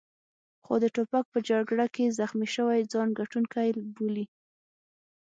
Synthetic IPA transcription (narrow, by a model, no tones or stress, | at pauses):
xod̪əʈopak̚pəd͡ʒaɡɽakezaxmiʃəwajd͡zɑnɡaʈunkajlboli